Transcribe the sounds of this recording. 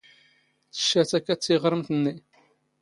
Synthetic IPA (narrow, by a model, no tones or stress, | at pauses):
t͡sːə̥ʃːæt͡sækːæt͡sːiʁɾəmt̪ənːi